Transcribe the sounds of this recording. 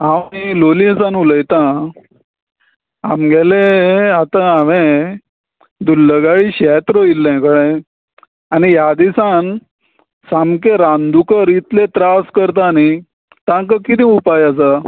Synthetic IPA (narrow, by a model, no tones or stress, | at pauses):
ailolĩsanuləjt̪ã | amɡʱɛleat̪aaʋẽ | d̪ulːəɡaɭiɕɛt̪ɾoilːɛ̃kəɽẽ | anijad̪isan | samkeɾãnd̪ukəɾit̪let̪ɾaskəɾt̪̬ani | t̪ãŋkəkit̪ĩupajas̬a